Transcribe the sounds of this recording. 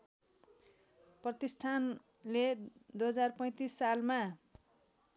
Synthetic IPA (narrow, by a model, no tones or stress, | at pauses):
prʌt̪isʈʰan | led̪ujɦʌd͡zarpʌj̃t̪isːalma